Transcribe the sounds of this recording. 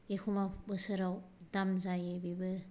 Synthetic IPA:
ekʰumabɯsɯɾawdamzajebibɯ

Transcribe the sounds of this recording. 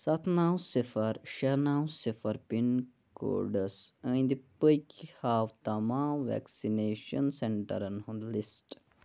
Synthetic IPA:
sɐt̪ʰnaːwsifɐɾʃɐnaːwsifɐɾpin | ko̰ːɖɐsɐ̃jnd̪ipəjkihaːʋt̪ɐmaːmʋɛ̰ksineːʃɐnseɳʈɐ̰ɾɐnhɐ̃lisʈ

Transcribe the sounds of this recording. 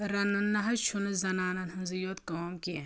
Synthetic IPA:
ɾɐnːɐnːɐɦɐt͡ʃʰunɐzɐnaːnɐnɦɐnzɐjot̪koːmki

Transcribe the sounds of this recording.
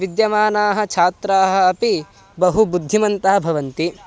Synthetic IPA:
ʋid̪jɐmaːnaːɦɐ̆t͡ʃʰaːt̪ɾaːɦɐ̆ːpi | bɐɦubud̪ʱːimɐnt̪aːbʱɐʋɐnt̪i

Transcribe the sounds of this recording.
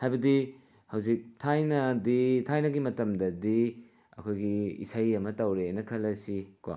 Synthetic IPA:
hajbɐdi | hɐwzik̚tʰajnɐditʰajnɐɡimɐtɐmdɐdi | ɐ̰kʰojɡiḭsɐjɐmɐtɐwɾenɐkʰɐlɐsikwa̰

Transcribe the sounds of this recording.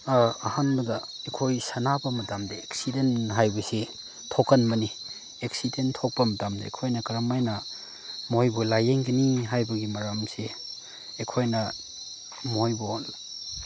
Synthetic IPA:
aɐhanbɐdɐ | ekʰojsɐnabɐmɐtamdeeksidenɦajbɐse | tʰokɐnmɐni | eksidentʰok̚pɐmɐtamdḛːkʰojnɐkɐɾamajnɐ | mojbulajeŋɡɐniɦajbɐɡimɐɾamse | ekʰojnɐ | mojbuon

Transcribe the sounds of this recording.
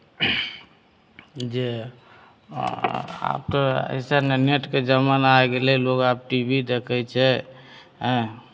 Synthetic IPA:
d͡ʒe | a̰p̚t̪oə̰ɪsaneneʈked͡ʒəmənaeɡelɛlokap̚ʈibʱid̪ekʰɛt͡ʃʰɛ | ɦɛ̃

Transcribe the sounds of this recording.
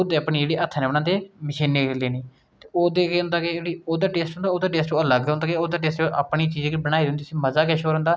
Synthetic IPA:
ʊd̪eːapniːd͡ʒeːɽeːʔət̪ʰːnẽːʋənãːd̪eːmɪʃiːneːleːniː | t̪eːoːd̪eːkeʊ̃ːnd̪aːkɪd͡ʒeːɽiːoːd̪aːʈeːsʈʊ̃nd̪aːoːd̪aːʈeːsʈoːələɡɦʊ̃nd̪aːkeoːd̪aːʈ̬eːsʈoʔa̰ːpɳiːt͡ʃiːzeːkbəɽaːid̪̃ːnd̪iːsĩːməzaːkɛːʃoːɾʊ̃ːnd̪aː

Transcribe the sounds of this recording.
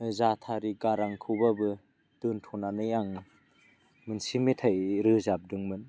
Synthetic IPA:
zatʰaɾiɡaɾaŋkʰɯbabɯ | d̥ɯntʰɔnanɯjaŋ | mɯnsimetʰajɾɯzap̚dɯŋmɯn

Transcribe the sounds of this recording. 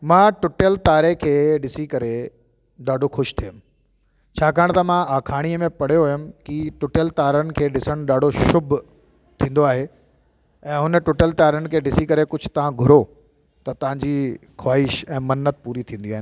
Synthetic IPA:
mãːʈʊʈjəlt̪aːɾekʰeːɗɪsikɐɾe | ɗaːɖʱoxʊʃt̪ʰijʊm̆ | t͡ɕʰaːkʰaːɽ̃t̪ɐmãaːkʰaːɽ̃iəmẽpɐɽ̤ijoɦʊjʊm̆kiʈʊʈəlt̪aːɾənɪ̆kʰeːɗɪsəɽ̃ʊɗaːɖʱoʃʊbʱʊ | t̪ʰĩːn̆d̪oaːɦe | ɛ̃ːɦʊnʈʊʈjəlt̪aːɾənɪ̆kʰeːɗɪsikɐɾekʊd͡ʑʱʊ̥̆t̪ɐʋ̤ãɡʱʊɾo | t̪ɐt̪ɐʋ̤ãɲd͡ʑixʰwaːɪʃɛ̃ːmɐnːət̪̚puːɾit̪ʰĩːn̆d̪iaːɦɪnɪ

